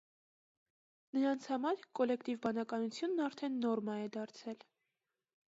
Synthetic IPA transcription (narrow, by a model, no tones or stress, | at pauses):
nəɾɑnt͡sʰhɑmɑɾkɔlɛkt̪ivbɑnɑkɑnut͡sʰjunːɑɾt̪ʰɛnːɔɾmɑɛd̪ɑɾt͡sʰɛl